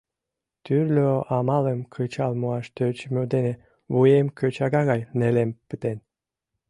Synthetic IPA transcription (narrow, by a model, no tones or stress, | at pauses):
t̪yrlʲøʔɑmɑləmkʰət͡ɕɑlmuɑʃt̪øt͡ɕmød̪ene | βujemkʰøt͡ɕɑɣɑɣɑjnelempət̪en